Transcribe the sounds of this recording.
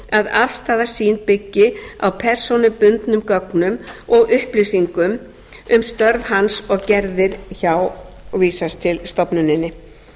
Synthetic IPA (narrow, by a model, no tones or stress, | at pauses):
aðafst̪aːðasiːnpɪcːɪa̰wpʰɛr̥sɔnʏpʏnt̪nʏmkœknʏmɔɣʏhplɪsiŋkʏm | ʏmst̪œɾvhansɔɣcɛɾðɪɾçawviːsast̪ʰɪlst̪ɔpnʏnɪnːɪ